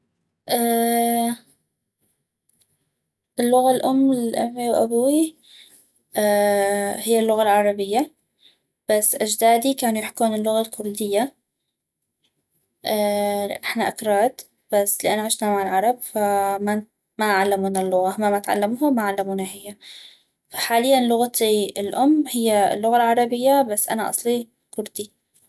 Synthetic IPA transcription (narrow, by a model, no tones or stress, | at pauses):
ʔaː | ʔɪlːʊɣalʔʊmːɪlʔamːiwʔa̰bawi | ʔaːhɪjːalːʊɣalʕɑɾˤɑbɪjːa | b̥asːʔad͡ʒd̪aːd̪ikaːnujɪħkuːnɪlːʊɣalkʰʊɾd̪ɪjːa | ʔanɪħnaʔakɾˤɑːd̪ | b̥asːlɪʔanːʕɪʃnamaʕɪlʕɑɾˤɑbfama | maʕalːamuːnalːʊɣahmamat̪ʕa̰lːamhamaʕalːamuːnaɦɪjːa | fḁħaːlɪjːanlʊɣat̪iɪlʔʊmːhɪjːa̰lːʊɣalʕɑɾˤɑbɪjːabasːʔa̰naʔɑ̰sˤli | kʊɾd̪i